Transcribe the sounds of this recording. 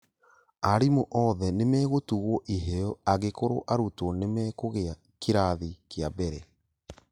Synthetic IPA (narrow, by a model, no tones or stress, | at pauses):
aɾimoʔɔðɛnemɛɣotuɣwɔʔiɦeɔaɣekoɾo̰ʔaɾutwɔnemɛkoɣea | kiɾaðikeabɛɾɛ